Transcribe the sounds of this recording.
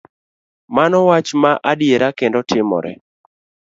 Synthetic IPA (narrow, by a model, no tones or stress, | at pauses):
manɔwat͡ʃmaʔadjeɾakendɔtʰɪmɔ̰ɾɛ̰